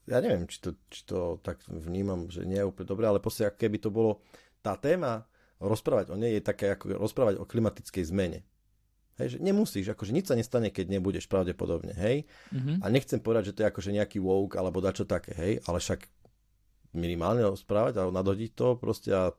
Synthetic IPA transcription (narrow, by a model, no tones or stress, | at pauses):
ja̰ːɲɛʋɪɛmt͡ʃi̥t̪ɔt͡ʃi̥t̪ɔt̪akvɲiːmamʒɛ̰ɲɪɛjɛuplɲɛd̪ɔbɾɛːalɛpɾɔscɛakɔ̥kɛbit̪ɔbɔlɔ | t̪aːt̪ɛːma | ɾɔspɾaːʋaɟɔɲɛjjɛt̪akɛakɔ̰ɾɔspɾaːʋaɟɔ̰klimat̪it͡skɛjzmɛɲɛ̰ | ɦɛ̰jʒɛɲɛmusiːʒakɔʒɛɲit͡ʃsaɲɛst̪aɲɛkɛɟɲɛbuɟɛʃpɾaʊɟɛpɔ̰d̪ɔbɲɛ̰ɦɛjaɲɛxt͡sɛmpɔʋɛd̪aɟʒɛt̪ɔjɛakɔʒɛɲɛakiʋɔʊkalɛbɔd̪at͡ʃɔt̪akɛ̰ːɦɛjalɛʃak | minimaːlɲɛɾɔspɾaːʋaɟalɛbɔnad̪ɦɔɟic̚t̪ɔpɾɔ̰scɛ̰a